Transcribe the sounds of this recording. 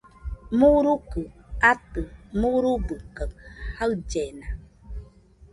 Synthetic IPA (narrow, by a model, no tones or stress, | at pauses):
muɾukəatəmuɾubɨkːəkhaɰd͡ʒɛna